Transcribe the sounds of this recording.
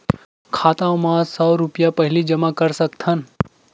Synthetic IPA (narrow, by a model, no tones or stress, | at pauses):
kʰaːt̪ãõmãsɔːɾʊpijapɐɦɪlid͡ʒɐmakɐɾsɐkt̪ʰən